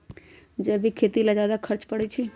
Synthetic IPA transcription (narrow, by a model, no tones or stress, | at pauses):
d͡ʒeːbʱikʰeːt̪ilad͡ʒjaːd̪akʰəɾt͡ʃpəɽet͡ʃʰi